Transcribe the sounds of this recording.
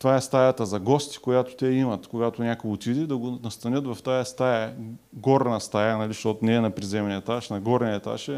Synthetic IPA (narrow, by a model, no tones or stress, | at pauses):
t̪ovaɛst̪ajat̪əzɐɡɔst̪i̥kojat̪ʊ̥t̪ɛimɐt̪koɡat̪onʲakoot̪ʲid̪ɛd̪ɐɡonɐst̪ɐnʲɤt̪vɐft̪ajɐst̪ajɛɡɔɾnɐst̪ajanɐliʃt̪ɔt̪ʊnɛɛnɐpɾizɛmɛnɛt̪aʃnɐɡɔɾnʲɛt̪a̰ʃɛ